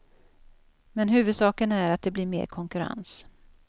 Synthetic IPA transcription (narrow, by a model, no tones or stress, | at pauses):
mɛnɦʉ̟ːvɵd̪sɑːkənæɾat̪̚d̪ɛbliːɾmḛːɾkʰɔŋkɵɾa̰ns